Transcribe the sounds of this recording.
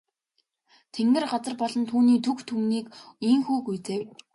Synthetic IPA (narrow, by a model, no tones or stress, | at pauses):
t̪ʰeŋɡɘ̆rɢat͡sə̆rpɔɮɞ̆nt̪ʰuːniːt̪ʰukt̪ʰuːniːkiŋxuːkujt͡seː